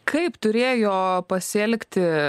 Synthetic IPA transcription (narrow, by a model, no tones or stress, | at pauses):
kʰɐɪpt̪ʊɾʲeːjoːpɐsʲɛlʲkt̪ʲɪ